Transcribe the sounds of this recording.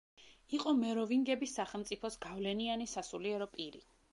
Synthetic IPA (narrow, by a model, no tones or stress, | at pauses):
iqʼɔmɛɾɔviŋɡɛbisːaχɛlˠmt̪sʼipʰɔsɡavlɛnianisasuliɛɾɔpʼiɾḭ